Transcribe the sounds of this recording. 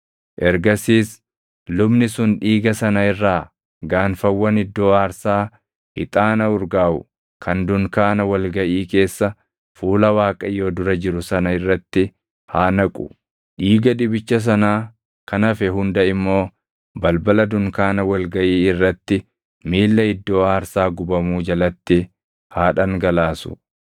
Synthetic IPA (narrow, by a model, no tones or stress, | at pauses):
ʔɛɾɡɐsiːs | lʊbnɪsʊnᶑiːɡɐsɐnɐɪrːaː | ɡaːnfɐwːɐnɪd̪ːoːaːɾsaː | hɪ̰t̪ʼaːnɐʊɾɡaːʊ̰ | kʰɐnd̪ʊŋkaːnɐwɐlɡɐʔiːke̞ːsːɐ | fuːlɐwaːkʼɐjo̞ːd̪ʊɾɐd͡ʒɪɾʊsɐnɐɪrːɐt̪ːɪ | haːnɐkʼʊ̥̰ | ᶑiːɡɐᶑɪbɪt͡ʃːɐs̬ɐnaː | kɐnɐfɛɦʊnd̪ɐɪmːo̞ː | bɐlbɐlɐd̪ʊŋkaːnɐwɐlɡɐʔiːɪrːɐt̪ːɪ | miːlːɐɪd̪ːo̞ːaːɾsaːɡʊbɐmuːd͡ʒɐlɐt̪ːɪ | haːᶑɐŋɡɐlaːsʊ̥̰